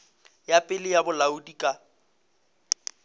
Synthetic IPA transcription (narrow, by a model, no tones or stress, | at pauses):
japʼɪlɪjabʊlaudikʼa